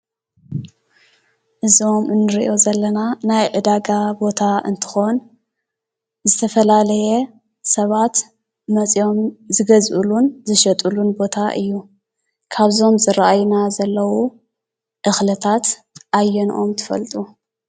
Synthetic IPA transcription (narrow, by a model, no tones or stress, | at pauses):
ʔɨzio̞mʔɨnːɨɾiʔo̞zɐlːɐnanajʔɨd̪aɡabo̞t̪ʰaʔɨ̰nt̪ʰɨ̥xo̞n | zɨt̪ʰɐfɐlalɐjɛ | sɐβat̪ | mɐt͡sʼjo̞mzɨɡɐzʔṵlunzɨʃɐt̪ʼulunbo̞t̪ʰaʔɨjːu | kʰaβzo̞mzɨɾaʔajnazɐlːɐwu | ʔɨxlɨt̪ʰat̪ | ʔajːɛnʔo̞mt̪ʰɨ̥fɐ̰lt̪ʼu